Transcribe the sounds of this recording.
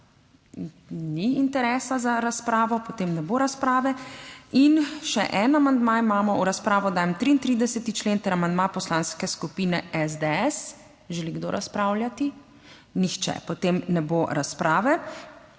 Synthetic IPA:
niint̪ɛɾɛːsazaɾaspɾaːʋɔpɔt̪eːmnɛboɾaspɾaːʋɛinʃɛ̰ʔɛnamand̪maimaːmɔuɾaspɾaːʋɔd̪aːjɛmt̪ɾiːnt̪ɾiːd̪ɛsɛt̪it͡ʃleːnt̪ɛɾamand̪mapɔslãːnskɛskupiːnɛɛzd̪eɛs | ʒɛliɡd̪o̰ɾʔaspɾaːwljat̪i | nixt͡ʃɛ̰pɔt̪emnɛboɾaspɾaːʋɛ

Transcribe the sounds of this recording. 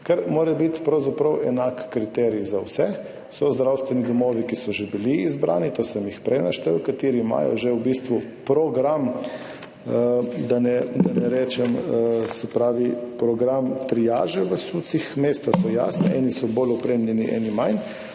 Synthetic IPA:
kaɾmoːɾɛbit̪pɾɐwzapɾəwɛnakːɾit̪ɛɾijzawsɛ | sɔzd̪ɾawst̪ʋɛnid̪ɔmɔːʋikisɔʒɛbiliːzbɾa̰ːnit̪oːsɛmjixpɾɛjnaʃt̪ɛwkat̪iːɾima̰jɔ̰ʒɛubist̪ʋupɾɔɡɾam | d̪anɛd̪anɛɾɛːt͡ʃɛmsɛpɾaːʋipɾɔɡɾamt̪ɾijaːʒɛʋəsut̪sixmeːst̪asɔja̰snɛɛ̰nisɔbolɔpɾemlʲɛniʔɛ̰ːnimajn

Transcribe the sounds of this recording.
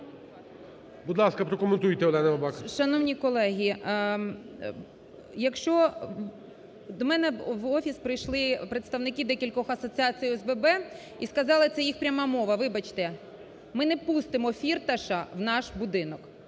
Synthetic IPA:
bud̪lˠɑskɐpɾɔkɔment̪ujt̪ɛɔlˠɛnɐʋɐbɑxʃɐnɔwnʲikɔlˠɛɦʲi | jɐkʃt͡ʃɔ | d̪ɔmɛnɛʋɔfʲispɾɪjʃlˠɪpɾet̪st̪ɐʋnɪkid̪ɛkʲilʲkɔxɐsɔt͡sʲiɑt͡sʲijɛzbɛbɛ | iskɐzɑlˠɪt̪sɛjixpɾʲɐmɑmɔʋɐʋɪbɐt͡ʃt̪ɛ | mɪnɛpust̪ɪmɔfʲirt̪ɐʃɐwnɑʃbʊd̪ɪnɔk

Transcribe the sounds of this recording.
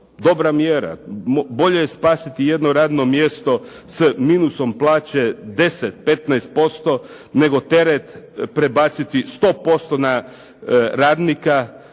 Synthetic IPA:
d̪o̞bɾamjeɾa̰bo̞ʎe̞jespaːsit̪ije̞d̪noɾaːd̪no̞mje̞st̪o̞ | smiːnuso̞mplˠaːt͡ɕed̪e̞set̪̚pe̞t̪naest̪̚po̞st̪o̞ | ne̞ɡo̞t̪e̞ɾet̪pɾe̞baːt̪sit̪ist̪o̞ːpo̞st̪o̞na | ɾaːd̪nika

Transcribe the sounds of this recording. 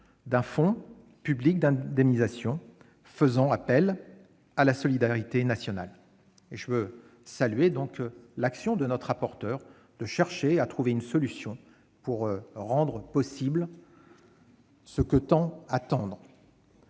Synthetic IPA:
d̪ɛ̃fɔ̃ | pyblik̚d̪ɛ̃d̪ɛmnizasjɔ̃ | fəzɑ̃apɛl | alasɔlid̪aʁit̪enasjɔna̰l | eʒəvø | salɥed̪ɔ̃klaksjɔ̃d̪ənɔt̪χapɔʁt̪œːʁ | d̪̥əʃɛʁʃeat̪χuveynsɔlysjɔ̃ | puʁʁɑ̃d̪ʁəpɔsibl | səkət̪ɑ̃at̪ɑ̃d̪ʁ

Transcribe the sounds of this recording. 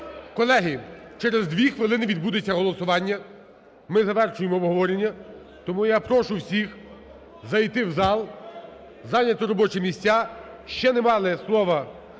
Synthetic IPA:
kɔlˠɛɦɪt͡ʃɛɾezd̪ʋʲixʋɪlˠɪnɪʋʲid̪̚bud̪ɪt͡sʲːɐɦɔlˠɔsʊʋɑnʲːɐ | mɪzɐʋɛrʃʊjemɔːbɦɔʋɔɾʲenʲːɐ | t̪ɔmujapɾɔʃʊwsʲix | zɐjt̪ɪwzɑlˠ | zɑnʲɐt̪ɔɾɔbɔt͡ʃɛmʲisʲt͡sʲːa | ʃt͡ʃɛnemɑlˠɪslˠɔʋɐ

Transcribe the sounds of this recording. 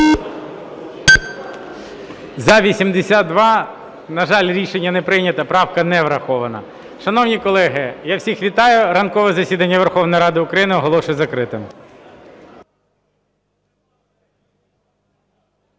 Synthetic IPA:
zɐʋʲisʲimd̪esʲɑt̪̚d̪ʋɑ | nɐʒɑlʲɾʲiʃenʲːɐnɛpɾɪnʲɐt̪ɐpɾɑwkɐnɛʋɾɐxɔʋɐnɐ̰ | ʃɐnɔwnʲikɔlˠɛɦɪjɑwsʲixʋʲit̪ɑjʊɾɐnkɔʋɛzɐsʲid̪ɐnʲːɐʋerxɔwnɔjɾɑd̪ɪʊkɾɐjinɪɔɦɔlˠɔʃʊjzɐkɾɪt̪ɪm

